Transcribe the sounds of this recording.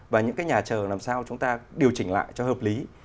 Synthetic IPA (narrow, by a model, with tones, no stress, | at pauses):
vaː˨˩ɲɨ̰˧˥kaː˨˦jɲaː˨˩t͡ɕəː˨˩laː˨˩msaː˧wt͡ɕʊ˨˦ŋ͡mt̪aː˧ɗi˨˩əwt͡ɕï˧˩ŋ̟la̰ː˧˨jt͡ɕɔ˧həː˨˩p̚li˨˦